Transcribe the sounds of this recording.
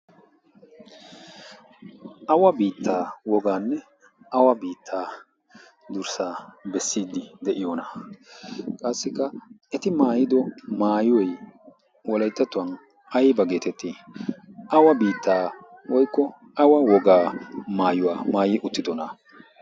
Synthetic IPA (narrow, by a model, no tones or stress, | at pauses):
ʔɐwɐbiːt̪ːaːwɔɡaːnːɛ | ʔɐwɐbiːt̪ʰːaː | d̪ʊɾsaːbɛsːiːd̪ːɪd̪ɛʔɪjoːnɐ | kʼɐsːɪkːɐɛt̪ɪmaːjɪd̪ɔmaːjʊwɔj | wɔlɐjt̪ːɐt̪ːʊwɐn | ɐjbɐɡe̞ːt̪ɛt̪ːi | ʔɐwɐbiːt̪ːaːwɔjkːɔ | ɐwɐwɔɡaːmaːjʊwaːmaːjɪʔʊt̪ːɪd̪ɔna